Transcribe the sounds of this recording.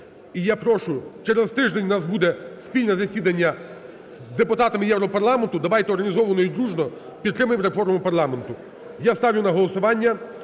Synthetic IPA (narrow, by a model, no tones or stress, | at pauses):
ijapɾɔʃʊt͡ʃɛɾɛzt̪ɪʒd̪enʲnɑsbud̪ɛspʲilʲnɛzɐsʲid̪ɐnʲːɐ | zd̪epʊt̪ɑt̪ɐmɪjɛwɾɔpɐrlˠɑment̪ʊd̪ɐʋɑjt̪ɛɔrɦɐnʲizɔʋɐnɔjid̪ɾuʒnɔ | pʲid̪t̪ːɾɪmɐjɪmɾefɔrmmʊpɐrlˠɑme̞nt̪ʊ | jast̪ɑʋʲjʊnɐɦɔlˠɔsʊʋɑnʲːɐ